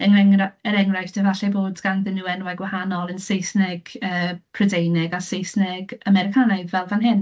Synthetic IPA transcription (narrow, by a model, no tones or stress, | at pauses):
əŋɛŋraəɾɛŋrajθd̥əvaɬɛboːdɡ̥anðɪnːuːɛnwɛɡwahanɔlˠənsejsnɪɡ̥əːpʰrɔdejnɪɡasejθnɪɡamɛɾɪkʰanaɨvɛlˠvanɦɪn